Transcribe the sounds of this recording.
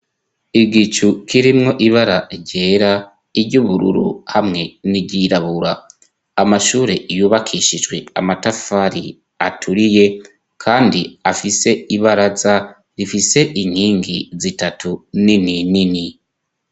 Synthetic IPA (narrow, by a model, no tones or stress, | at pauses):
iɡit͡ʃukʰiɾimŋo̞ʔiβaɾaɾɟe̞ːɾa | iɾɟuβuɾṵɾṵhamŋe̞niɟiɾaβuɾaː | maʃuːɾe̞ʔijuːβakʰiʃid͡ʒɡwe̞a̰matafaɾḭ | atʰuɾije̞ | kʰaːndiafise̞iβaɾaza | ɾifise̞ʔiŋ̥hiːŋɡizitatunininini